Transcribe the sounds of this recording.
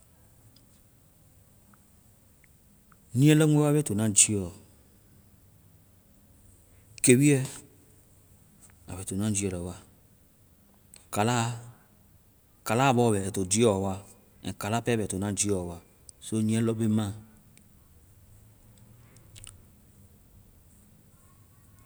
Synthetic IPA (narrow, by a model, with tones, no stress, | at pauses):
nĩ˦ɛ˦lɔ˦ŋʷ˦e˦wa˦be˦to˨nã˦d͡ʒi˦ɔ˨ | ke˨wi˦ɛ˦ | a̰˨βe˨to˨nã˦d͡ʒi˦ɛ˨lɔ˨wa˦ | ka˨la˦ | ka˨la˦˨bɔ˦˨bɛ˨to˨d͡ʒi˦ɔ˦˨wa˦ | ɛ̰̃˨ka˨la˦pɛ˦bɛ˨to˨nã˦d͡ʒi˦ɔ˨wa˦ | so˦nĩ˦ɛ˦lɔ˦be˦mã˦